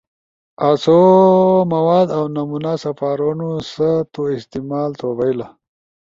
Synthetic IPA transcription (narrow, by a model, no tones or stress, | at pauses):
asomɐwaːd̪awnamunasɐfaːɾonosət̪oɪst̪imaːlt̪ʰobajla